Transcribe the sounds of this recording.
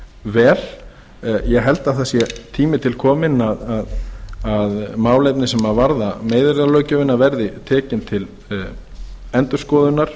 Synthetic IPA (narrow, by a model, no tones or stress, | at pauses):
vɛːɾ̥ | jɛɣɦɛlt̪aðθasjɛt̪ʰiːmɪt̪ʰɪlkʰɔːmɪnaðaðaðmaːwlejpnɪsɛmaðvaɾðameːjðɪɾðalœːɥcʏvɪnːavɛɾðɪt̪ʰɛːcɪnt̪ʰɪl | ɛnt̪ʏɾ̥skɔːðʏnaɾ̥